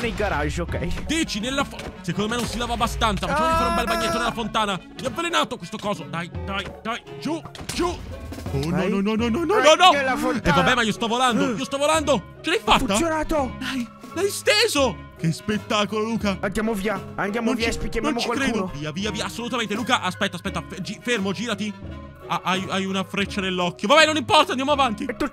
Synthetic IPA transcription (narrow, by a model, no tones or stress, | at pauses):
neɡaɾaʒːokɛjd̪it͡ʃinelːafosekond̪omenːonsilaːvaːbːast̪ant̪safat͡ʃːɛifaɾumbɛlbaɲːet̪ːonelafont̪aːna | miavːelenaːt̪okwest̪okɔːzod̪ajd̪ajd̪ajd͡ʒud͡ʒuɔɔnɔnɔnɔnɔnɔnɔnɔlafɛvabɛːmaiost̪ɔvoland̪oiːost̪ɔvoland̪o | t͡ʃelɛajfːatuːajonaːt̪od̪aj | lajst̪eːzo | kespet̪ːaːkololuːkaand̪jamoviːaand̪jamnonvispikjamnonmokt͡ʃialkɾed̪ooviːaviːaviːaːsːolut̪ament̪eluːkaʔaspɛt̪ːaspɛt̪ːafd͡ʒifermod͡ʒiːɾat̪i | aʔajajunafɾet͡ʃːad̪elːɔkːjovabɛnonimpɔrt̪and̪jamoavant̪it̪ːu